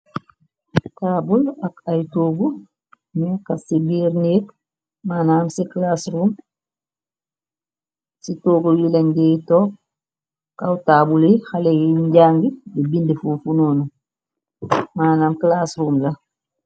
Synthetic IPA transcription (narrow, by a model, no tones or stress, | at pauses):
taːbulakajtoːɡu | mekːasibiːɾneːk | maːnaːmsiklaːsɾuːm | sitoːɡujileɲɡejitoːp̚ | kawtaːbulexalejiiɲɟaːŋɡibibindifufunoːnu | maːnaːmklaːsɾuːmla